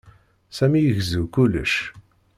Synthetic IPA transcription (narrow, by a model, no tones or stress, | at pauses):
sæmijəʝzukulːə̰ʃ